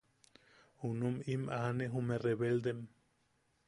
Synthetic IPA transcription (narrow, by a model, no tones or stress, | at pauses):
hunumimʔaneɦumereβeld̪em